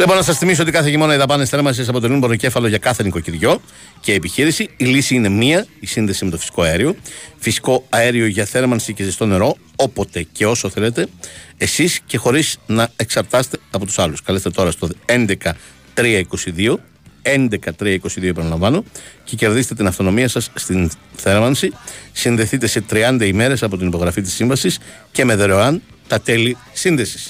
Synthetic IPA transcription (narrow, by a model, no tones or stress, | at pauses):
vleponɐsɐsθimis̬oot̪ikɐθe̞ʝimo̞nɐiðɐpɐnesθeɾmɐnsis̬ɐpot̪elinboɾce̞fɐlo̞ʝɐkɐθe̞niko̞ciɾʝo̞ | ceepiçiɾisiːlisiine̞miɐisinðe̞sime̞t̪ofi̥si̥ko̞ɐeɾio̞fisi̥ko̞ɐe̞ɾio̞ʝɐθe̞ɾmɐnsicezist̪o̞ne̞ɾo̞ | opo̞t̪e̞ce̞o̞soθe̞le̞t̪e̞esisce̞xo̞ɾisnɐeksɐɾt̪ɐse̥t̪e̞ɐpo̞t̪u̥sɐluskɐlest̪e̞t̪o̞ɾɐst̪oðe̞nd̪e̞kɐ | t̪ɾiɐiko̞siðio̞ | e̞nd̪e̞kɐt̪ɾiɐiko̞siðio̞pɐnɐlɐ̃ɱvɐno̞ce̞ce̞ɾðiset̪et̪inɐft̪o̞no̞miɐsɐsːt̪inθe̞ɾmɐnsisinðe̞θit̪e̞se̞t̪ɾiɐnd̪ɐime̞ɾe̞sɐpo̞t̪inipo̞ɣɾɐfit̪̬i̥sːiɱvɐsis | ce̞me̞ðeɾoɐn | t̪ɐt̪e̞li | sinðe̞si̥s